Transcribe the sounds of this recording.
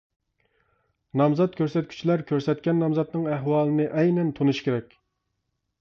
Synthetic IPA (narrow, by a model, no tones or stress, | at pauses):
nɑmzɑt̪̚kʲøɾsɛt̪̚kʲʰy̥t͡ʃʰilæɾkʲʰøɾsɛt̪̚kʲɛnːɑmzɑt̪nɨŋæɦwɑːlˠɨnɨʔɛjnɛnt̪ʰonuʃkʲeɾɛkʲ